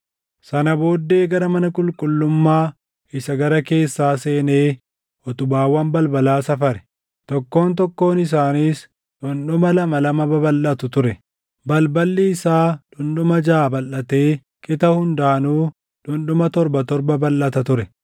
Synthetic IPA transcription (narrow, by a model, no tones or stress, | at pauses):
sɐnɐbo̞ːd̪ːe̞ːɡɐɾɐmɐnɐkʼʊlkʼʊlːʊmːaː | ɪsɐɡɐɾɐke̞ːsːaːse̞ːne̞ː | ʔɔt̪ʊbaːwɐmbɐlbɐlaːsɐfɐɾɛ̥ | t̪ɔkːo̞ːnt̪̬ɔkːo̞ːnɪs̬aːniːs | ᶑʊnɗʊmɐlɐmɐlɐmɐbɐbɐlʔɐt̪ʊt̪ʊɾɛ | bɐlbɐlːiːɪsaːᶑʊnɗʊmɐd͡ʒaːbɐlːɐt̪e̞ː | kʼɪt̪ɐhʊnd̪aːnuː | ᶑʊnɗʊmɐt̪ɔɾbɐt̪ɔɾbɐbɐlʔɐt̪ɐt̪ʊɾɛ